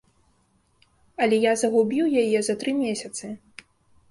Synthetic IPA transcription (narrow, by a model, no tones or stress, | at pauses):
ɐlʲɛjazɐɣubʲiwjajɛzɐt̪ɾɨmʲesʲɐt̪sɨ